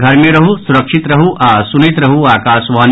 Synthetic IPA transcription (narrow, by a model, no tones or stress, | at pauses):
ɡʱɐɾmẽɾɐɦusuɾɐkʃit̪ɾɐɦuʔaːsunit̪ɾɐɦuaːkaːsʋaːn